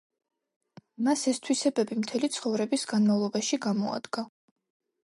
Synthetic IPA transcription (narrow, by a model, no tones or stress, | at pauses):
masɛst̪ʰwisɛbɛbimt̪ʰɛlit̪sʰχɔvɾɛbisɡanmavlˠɔbaʃiɡamɔa̰d̪̥ɡ̥a